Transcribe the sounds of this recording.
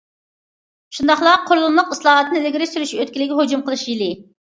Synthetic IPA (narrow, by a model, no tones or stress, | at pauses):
ʃund̪ɑχlˠɑqʰːoɾlˠunlˠəqɨslˠɑːɦɑt̪nɨlɪɡʲɾɪʃsyɾyʃiøt̪̚kʲilɪkʲɦod͡ʒumqʰəlˠɨʃjilɪ